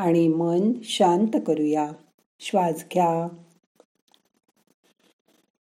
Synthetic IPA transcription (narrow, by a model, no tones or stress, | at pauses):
aɽ̃imənɕant̪kəɾuja | ɕʋad͡zɡʱja